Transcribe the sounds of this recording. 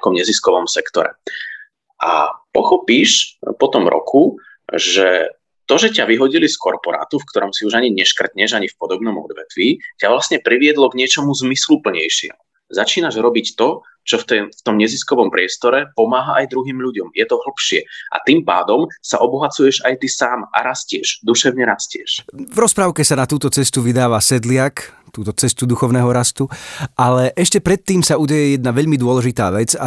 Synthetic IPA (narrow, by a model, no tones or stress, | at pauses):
kɔmɲɛziskɔʋɔmsɛkt̪ɔɾɛ̰ | ʔa̰pɔxɔpiːʃpɔt̪ɔmɾɔ̰kʰu | ʒɛ | t̪ɔʒɛcaʋiɦɔɟiliskɔɾpɔɾa̰ːt̪ufkt̪ɔɾɔmsiuʒaɲiɲɛʃkr̩t̪ɲɛʒaɲifpɔd̪ɔbnɔmɔ̰d̪ʋɛt̪ʋiːcaʋlast̪ɲɛpɾiʋɪɛd̪lɔɡɲɪɛt͡ʃɔmuzmislupl̩ɲɛjʃɪɛ̰ɦu | zat͡ʃiːnaʒɾɔbict̪ɔ | t͡ʃɔft̪ɛft̪ɔmɲɛziskɔʋɔmpɾɪɛst̪ɔɾɛpɔmaːɦaʔajd̪ɾuɦiːmʎuɟɔmjɛt̪ɔɦl̩pʃɪɛ̰ʔa̰t̪impa̰ːd̪ɔmsa̰ʔɔbɔɦat͡sujɛʒajt̪isaːmʔa̰ɾascɪɛʒd̪uʃɛʊɲɛɾascɪɛ̰ʃvɾɔspɾaʊkɛsanat̪uːt̪ɔt͡sɛst̪uʋid̪aːʋasɛd̪lɪakt̪uːt̪ɔt͡sɛst̪ud̪uxɔʊnɛɦɔɾast̪uʔalɛʔɛʃcɛpɾɛt̪ːiːmsauɟɛjɛjɛd̪̚naʋɛʎmid̪ʊɔlɛʒit̪aːʋɛd͡za̰